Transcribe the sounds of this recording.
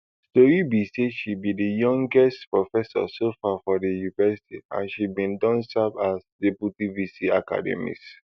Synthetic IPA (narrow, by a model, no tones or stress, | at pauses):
stoɹibiseʃibidəjɔ̃ŋɡɛstpɹɔfɛsɔ̰sofafɔdəjuivɛsi̥tḭã̰nʃibĩndɔ̃nsabasdebutivisiaka̰dɛ̰mḭt